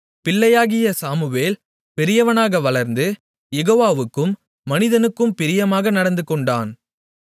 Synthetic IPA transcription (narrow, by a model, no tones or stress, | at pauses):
pɪlːɐjaːɣɪjɐsaːmɯʋeːl | pɛɾɪjɐʋɐnaːɣɐʋɐlɐɾnd̪ɯ | jɛɣoːʋaːʋɯkːɯmː | ɐnɪðɐnɯkːɯmpɪɾɪjɐmaːɣɐnɐɽɐnd̪ɯkːɔɳɖa̰ːn